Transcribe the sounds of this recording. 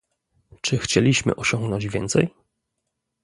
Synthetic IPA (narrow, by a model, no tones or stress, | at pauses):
t͡ʂɘxt͡ɕɛlʲiɕmɘ̰ʔɔɕɔŋɡnɔɲd͡ʑvʲjɛnt̪sɛj